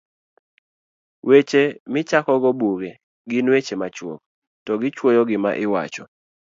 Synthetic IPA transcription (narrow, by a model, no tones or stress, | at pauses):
wet͡ʃemɪt͡ʃakɔɡɔbuɡe | ɡɪnwet͡ʃemat͡ʃwɔ̰k̚ | tɔɡɪt͡ʃwojɔɡɪma̰ʔɪwa̰t͡ʃɔ